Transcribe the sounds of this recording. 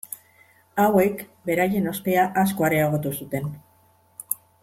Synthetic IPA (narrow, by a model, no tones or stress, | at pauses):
awe̞kbe̞ɾaje̞no̞st̪e̞aʔasko̞aɾe̞aɣ̞o̞t̪usut̪e̞n